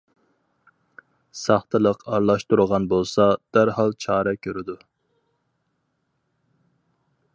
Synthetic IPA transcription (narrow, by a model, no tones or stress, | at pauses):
sɑχt̪ʰɨlˠəqʰɑɾlˠɑʃt̪uɾʁɑnbolˠsɑd̪̥æɾhɑlˠt͡ʃʰɑːɾɛkʲʰøɾɪd̪u